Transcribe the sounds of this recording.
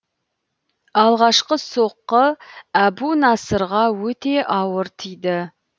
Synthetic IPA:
ɑlˠʁɑʃqəso̞qːəæbunɑsəɾʁɑwɵt̪e̞ʔɑwəɾt̪ʰijd̪ɪ

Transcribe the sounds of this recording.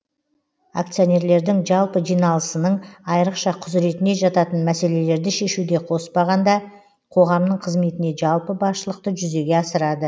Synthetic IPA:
a̰kt̪sijo̞ne̞ɾle̞ɾd̪ɪŋʒɑlˠpəʒijnɑlˠəsənəɴɑjɾəqʃɑqʰʊzɾe̞t̪ɪne̞ʒɑt̪ɑt̪ənmæse̞le̞le̞ɾd̪ɪʃe̞ʃud̪e̞qʰo̞spɑʁɑnd̪ɑ | qʰo̞ʁɑmnəɴqʰəzme̞t̪ɪne̞ʒɑlˠpəbɑsʃəlˠəq̚t̪əʒʏze̞ɡʲe̞ɑsəɾɑd̪ə

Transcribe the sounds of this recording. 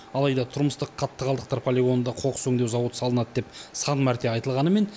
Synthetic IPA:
ɑlˠɑjd̪ɑt̪ʰʊɾməst̪əqʰːɑt̪ːəʁɑlˠd̪əqt̪ɑɾpʰolʲeɡo̞nənd̪ɑqʰo̞qsɵŋd̪ewzɑwət̪sɑlˠənɑd̪əd̪e̞psɑnmæɾt̪e̞ɑjt̪əlˠʁɑnəme̞n

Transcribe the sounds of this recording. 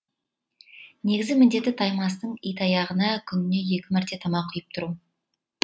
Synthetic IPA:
ne̞ɡʲɪzɪmɪnd̪e̞t̪ːɪt̪ʰɑjmɑst̪əɴijt̪ʰɑjɑʁənɑkʲʰʏnɪne̞je̞kʲɪmæɾt̪e̞t̪ʰɑmɑqʰʊjəp̚t̪ʰʊɾu

